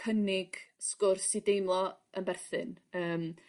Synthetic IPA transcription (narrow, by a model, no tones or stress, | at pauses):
ənɪɡ̥skʊrsidejmlˠɔənbɛrθɨ̰nəːm